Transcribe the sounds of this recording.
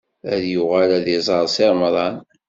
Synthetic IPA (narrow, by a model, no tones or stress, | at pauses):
æðjʊʁælæðizˤɑɾˤsɪɾˤmɾˤɑn